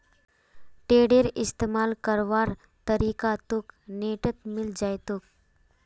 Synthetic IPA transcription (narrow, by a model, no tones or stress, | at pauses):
ʈeːɽeɾɪst̪eːmaːlkəɾʋaːɾ | t̪əɾiːkat̪ukneʈət̪mɪld͡ʒajt̪uk̚